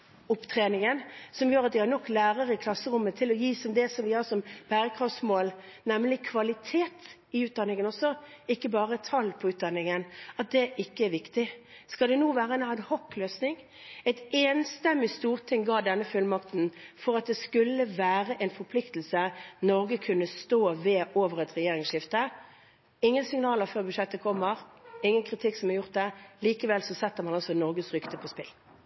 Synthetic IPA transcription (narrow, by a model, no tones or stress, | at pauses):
ʊpːt̪ʰɾeːnɪŋənsɔmjøːɾɑt̪̚d̪ɪhɑɾnɔkːlæːʁəɾəɪkʰlɑsːəɾʊmːət̪ʰɪlɔjiːsɔmd̪ɛsɔmʋɪhɑsɔmb̥æːɾəkʰɾɑfsmoːl | nɛmlɪkʰʋɑlɪt̪ʰeːt̪ | ɪʉːt̪̚d̪ɑnɪŋənɔsːɔɪkːəbɑːʁət̪ʰɑlːpʰɔʉːt̪̚d̪ɑnːɪŋənɑt̪̚d̪ɛʔɪkːəæɾʋɪkt̪ɪskɑld̪ɛnuːʋæːʁəɛnænhɔkːløːsnɪŋ | ɛɪt̪ɛːnst̪ɛmːɪst̪uːʁt̪ʰɪŋɡɑːd̪ɛnːəfʉlmɑkt̪n̩fɔʁɑt̪̚d̪ɛskʉlːəʋæːɾəʔɛnfɔɾpʰlɪkt̪l̩sənɔʁɡəkʰʉnːəst̪oːʋɛʔoːʋəʁɛt̪ʁɛjeːɾɪŋsʃɪft̪ə | ɪŋːənsɪŋnɑːləɾføːʁbʉʂɛt̪ːəkʰɔmːəʁɪŋːənkʰʁɪt̪ʰɪksɔmɑʁjʊʁt̪̚d̪ɛliːkəʋɛlsɔsɛt̪ːəʁmɑnɑlsɔnɔʁɡəsʁʏkt̪əpʰɔspɪl